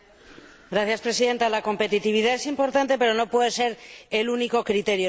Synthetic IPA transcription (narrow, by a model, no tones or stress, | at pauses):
ɡɾaθjaspɾe̞siðe̞nt̪alako̞mpe̞t̪it̪iβ̞iðae̞simpo̞ɾt̪ant̪e̞pe̞ɾo̞no̞pwe̞ðe̞se̞ɾeluniko̞kɾit̪e̞ɾjo